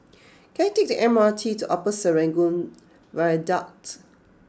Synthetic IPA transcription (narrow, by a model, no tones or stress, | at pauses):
kɛ̃natek̚diʔɛ̃matʰituʔɔpəsəɹɛ̃ŋɡũn | vaədat